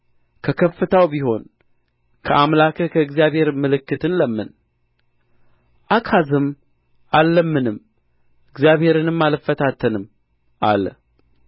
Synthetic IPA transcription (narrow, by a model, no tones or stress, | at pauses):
kʰəkʰəfːɨt̪ʰawbiɦo̞n | kʰəʔamlakʰəkʰəɨɡzijaβhe̞ɾmɨlɨkːɨt̪ʰɨnləmːɨn | ʔakʰazɨm | ʔalːəmːɨnɨm | ɨɡzjaβhe̞ɾɨnɨmːalfːət̪ʰat̪ʰːənɨm | ʔa̰lə̰